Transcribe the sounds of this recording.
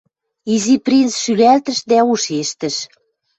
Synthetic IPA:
iziprinsʃylælt̪ə̆ʃd̪æuʃeʃt̪ə̆ʃ

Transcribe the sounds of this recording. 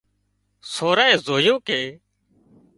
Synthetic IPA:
soːɾaːẽːzoːjõːkeː

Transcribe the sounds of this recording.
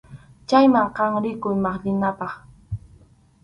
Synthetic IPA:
t͡ʃajmaɴqɑŋɾɪkʊjmɑχʎɪnapɑχ

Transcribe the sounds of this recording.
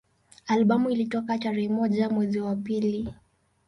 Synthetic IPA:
alɓamuilitɔkataɾɛhɛmɔʄamwɛziwapili

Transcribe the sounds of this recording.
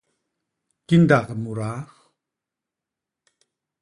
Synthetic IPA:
kindakamuɾax

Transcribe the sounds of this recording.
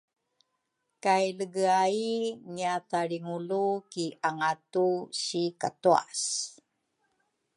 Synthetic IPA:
kajləɡəaiɲiataɾiŋulukiʔaŋatuɕikatua̰s

